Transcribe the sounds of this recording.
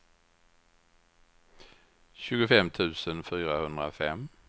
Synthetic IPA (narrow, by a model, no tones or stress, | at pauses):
ɕʉ̟ːɡʊfɛmt̪ʰʉ̟ːsənfyːɾahɵnd̪ʁɾafɛm